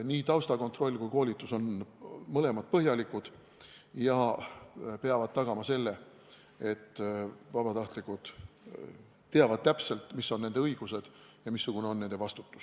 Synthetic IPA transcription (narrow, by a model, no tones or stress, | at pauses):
niːt̪ɑwst̪ɑko̞nt̪ro̞lʲːkujko̞ːlʲit̪ːˑuso̞nmɤle̞mɑd̪̥̚pɤɦjɑlikud̪̥ | jɑ | pe̞ɑvɑd̪̥̚t̪ɑɡ̥ɑmɑse̞lːe̞ | e̞t̪ːvɑbɑt̪ɑht̪likˑud̪̥ | t̪ːeɑvɑd̪̥̚t̪æpse̞lt̪ˑmisːo̞nːend̪̥eɤiɡ̥use̞d̪̥ | jɑmisːuɡ̥une̞o̞nːe̞nd̪evɑst̪u̥t̪ːˑu̥s